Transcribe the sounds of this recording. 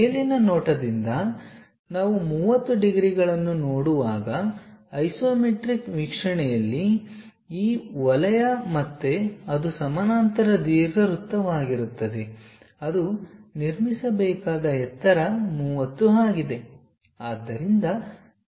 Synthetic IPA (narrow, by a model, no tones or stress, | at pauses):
eːlinɐnoːʈɐd̪ind̪ɐ | naːʋumuːʋɐt̪ːuɖiɡɾiɡɐɭɐnːunoːɽuʋaːɡɐːjsoːmeʈɾikʋikʂɐɳɛjɐlːi | iːʋɐlɐjɐmɐt̪ːe̞ɐd̪usɐmɐnaːnt̪ɐɾɐd̪iːɾɡɐɾut̪ːɐʋaːɡiɾut̪ːɐd̪e̞ | ɐd̪uniɾmisɐbɛːkaːd̪ɐɦɛt̪ːɐɾɐmuːʋɐt̪ːuɦaːɡid̪e̞ | aːd̪ːɐɾind̪ɐ